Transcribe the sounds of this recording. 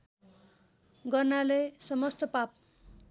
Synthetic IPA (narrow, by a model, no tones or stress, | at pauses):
ɡʌrnalesʌmʌst̪ʌpap̚